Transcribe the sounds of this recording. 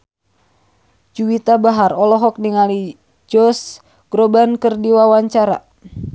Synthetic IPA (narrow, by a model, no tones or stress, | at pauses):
d͡ʒuwit̪abaɦarɔlɔɦɔk̚diŋali | d͡ʒɔs | ɡ̥ɾobankərdiwawaɲt͡ʃaɾa̰